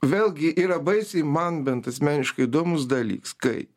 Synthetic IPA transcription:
ʋʲeːlʲˠɡʲɪʔiːɾɐbɐɪsʲɪmɐnbʲɛnt̪ɐsʲmʲæːnʲɪʃkɐɪid̪oːmʊsd̪ɐlʲḭːkskɐɪ

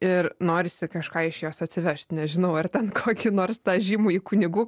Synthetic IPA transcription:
ɪrnoːɾʲɪsʲɪkɐʃkɑːɪʃjoːsɐt̪ʲsʲɪʋʲæʃʲt̪ʲnʲɛʒʲɪnɐʊɐrt̪ʲɛnkʰoːkʲɪnoːrst̪ɑːʒʲiːmuːiːkʊnʲɪɡuː

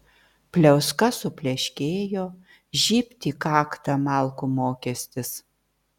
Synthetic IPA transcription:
pʲlʲɛʊskɐsʊpʲlʲɛʃʲkʲeːjoː | ʒʲiːpʲt̪ʲiːkɑːkt̪ɐmɑˑlˠkumoːkʲɛsʲt̪ʲɪs

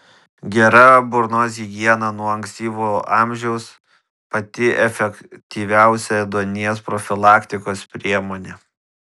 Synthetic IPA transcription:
ɡʲɛɾɐbʊɾnoːzʲiɡʲiɛnɐnuɔɐŋksʲt̪ʲiːʋoɑːˑmʲʒʲɛʊs | pɐt̪ʲɪʔɛfʲɛkt̪ʲiːʋʲæˑʊsʲɛd̪oːnʲiɛspɾɔfʲɪlˠɑːkt̪ʲɪkoːspʲɾʲiɛmoːnʲe

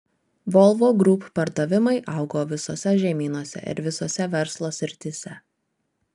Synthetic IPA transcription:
ʋɔlˠʋoːɡɾuːppɐɾd̪ɐʋʲɪmɐɪʔɐʊɡoːʋʲɪsoːsʲɛʒʲɛmʲiːnoːsʲɛ̰ʔɪ̰ɾʋʲɪsoːsʲɛʋʲɛɾslˠoːsʲɾʲɪt̪ʲɪsʲɛ

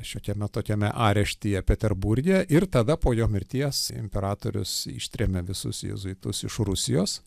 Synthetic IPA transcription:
ʃʲoːkʲɛmʲɛt̪oːkʲɛmʲɛʔɑːɾʲɛʃʲt̪ʲiːjɛpʲɛt̪ʲɛrbuɾʲɡʲɛʔɪrt̪ɐd̪ɐpoːjoːmʲɪɾʲt̪ʲiɛsɪ̰mʲpʲɛɾɑːt̪oːɾʲʊ̰sɪ̰ʃʲt̪ʲɾʲɛmʲeʋʲɪsʊ̰sjɛ̰zʊɪt̪ʊsɪʃrʊsʲɪjoːs

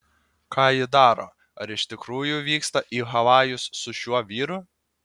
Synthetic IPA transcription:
kɑːjɪd̪ɑːɾo̰ː | ɐɾɪʃt̪ʲɪkɾuːjʊʋʲiːkst̪ɐʔiːɦɐʋɑːjʊsːʊʃʲuɔʋʲiːɾʊ

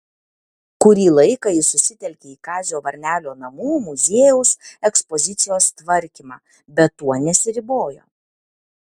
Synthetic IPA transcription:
kʊɾʲiːlˠɐɪkɑɪsʊsʲɪt̪ʲɛlʲkʲeiːkɑːzʲɪjoːʋɐɾʲnʲæːlʲoːnɐmuːmʊzʲeːjɛʊsɛkspɔzʲɪt̪sʲɪjoːst̪ʋɐɾʲkʲiːmɑ̰ː | bʲɛt̪ːuɔnʲɛsʲɪɾʲɪboːjo̰ː

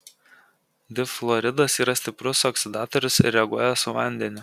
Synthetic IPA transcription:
d̪ʲɪflˠɔɾʲɪd̪ɐsiːɾɐsʲt̪ʲɪpɾʊsɔksʲɪd̪ɑːt̪ɔɾʲʊsɾʲɾʲɛɐɡuɔjɛsʊʋɐ̰ˑnʲd̪ʲɛnʲɪ

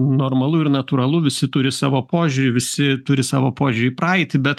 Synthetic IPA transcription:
noːrmɐlˠʊɪɾnɐt̪uːɾɐlˠʊʋʲɪsʲɪt̪ʊɾʲɪsɑːʋoːpoːʒʲʊɾʲʊʋʲɪsʲɪt̪ʊɾʲɪsɑ̰ːʋoːpoːʒʲʊɾʲɪprɐɪt̪ʲɪbʲɛt̪

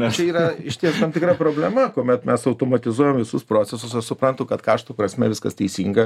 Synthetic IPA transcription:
t͡ʃʲɛɪiːrɐɪʃʲt̪ʲiɛst̪ɐmʲt̪ʲɪkɾɑːpɾoːbʲlʲɛmɐkoːmʲɛt̪mʲɛsɐʊt̪oːmɐt̪ʲɪzuɔjoːmʋʲɪsʊspɾoːt͡sʲɛsʊsɐsʊpɾɐnt̪ʊkɐt̪kɑːʃt̪uːpɾɐsʲmʲɛʋʲɪskɐst̪ʲɛɪsʲiːŋɡɐ

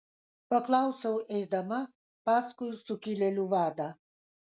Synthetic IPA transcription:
pɔklˠawsɛwɛɾd̪ama | paskujusukʲilʲɛlʲuvaːd̪a

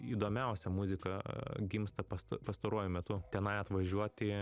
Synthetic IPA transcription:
iːd̪oːmʲɛˑʊsʲɛmʊzʲɪkɐɡʲɪmst̪ɐpɐst̪pɐst̪ɐɾuɔjʊmʲɛt̪ʊt̪ʲɛnɐɪɐt̪ʋɐʒʲuɔt̪ʲɪ

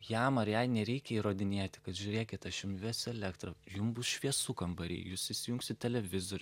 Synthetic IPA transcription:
jæmɐɾjɛɪnʲɛɾʲɛɪkʲɛiːɾoːd̪ʲɪnʲeːt̪ʲɪ̥kɐt̪ʒʲʊːɾʲeːkʲɪt̪ɐʃjʊmʋʲeɛsɛlʲɛkt̪rɐjʊmbʊsʃʲʋʲiɛsukɐmbɐɾʲḭjjuːsɪsʲɪjʊŋksʲɪt̪̚ʲtʲɛlʲɛʋʲɪzoːɾʲʊ

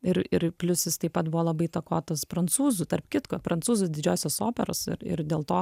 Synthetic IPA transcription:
ɪɾɪɾpʲlʲʊsʲɪst̪ɐɪpɐt̪bʊʋoːlˠɐbɐɪt̪ɐkoːt̪ɐspɾɐnt̪suːzʊt̪ɐrpkʲɪt̪kopɾɐntt͡suːzʊd̪ʲɪd͡ʒʲoːsʲoːsoːpʲɛɾoːsɪ̰ɾɪ̰ɾdʲeːlˠt̪oː

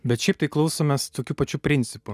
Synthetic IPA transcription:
bʲɛt̪ʃʲɛɪp̚t̪ɐɪklˠɐʊsoːmʲɛst̪oːkʲuːpɐt͡ʃʲuːpʲɾʲɪnʲt̪sʲɪpʊ

